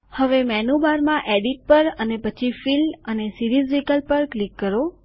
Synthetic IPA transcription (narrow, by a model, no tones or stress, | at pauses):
həʋemɛnubaɾmãʔeɖiʈ̚pəɾənepət͡ʃʰifilənesiɾizʋikəlpəɾklikːəɾo